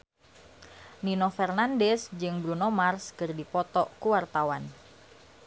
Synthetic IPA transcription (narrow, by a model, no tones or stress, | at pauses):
ninofɛrnandɛsd͡ʒɨŋbɾunomarskɨrdipɔt̪ɔkuwart̪awan